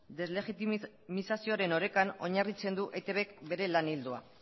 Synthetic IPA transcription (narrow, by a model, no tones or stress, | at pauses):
d̪e̞zle̞ɣit̪i | misasio̞aɾe̞no̞ɾe̞kano̞ɲarit͡se̞nd̪uʔet̪eβe̞kbe̞ɾe̞lanild̪ua̰